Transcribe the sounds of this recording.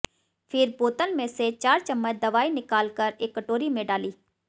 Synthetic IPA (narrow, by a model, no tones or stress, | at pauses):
pʰɪɾpoːt̪ənmẽset͡ʃaːɾt͡ʃəmːət͡ʃd̪ɐʋaːinɪkaːlkəɾeːkːəʈoːɾimẽɖaːliː